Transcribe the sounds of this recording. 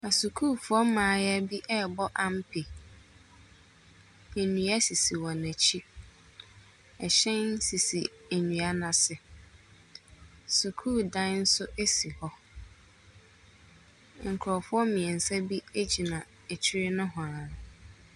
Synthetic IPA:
a˨su˨kʰuː˦˨fʊ˦ɔ˦mãː˨˦jɛ˦bi˦ʔɛ˦˨bɔ˦ʔã˦m˦pʰi˨ | e˨nũ˨æ˦si˨si˨wɔ̃˨næ˨t͡ɕʰi˦ | ɛ˨ɕɛ̃˦n˦si˨sḭ˨ | æ˨ɲũ˨a˦nã˨sɪ˨ | su˨kʰuː˦˨dã˦n̩˦sʊ˦ʔe˦si˨hɔ˦ | ŋ̩˨kʰʊ˨ɾɔ˨fʊ˦ɔ˦mɪ̃˨ɛ˨n̩˨sɛ˦bi˦e˦d͡ʑi˨nã˨ | e˨t͡ɕʰi˦ɾɪ˦nʊ̃˦ɦɔ̃˨ã˨ʊ˨

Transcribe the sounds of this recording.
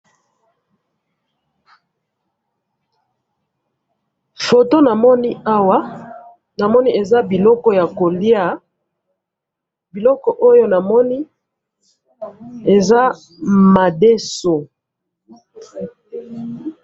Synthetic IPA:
fo˨to˦na˨mɔ˦ni˦a˦wa˦ | na˨mɔ˦ni˦e˨za˦bi˨lɔ˦kɔ˦ja˨ko˨li˦a˦˨ | bi˨lɔ˦kɔ˨ʔo˦jo˦na˨mɔ˦ni˦ | e˨za˦ | ma˨de˦so˨

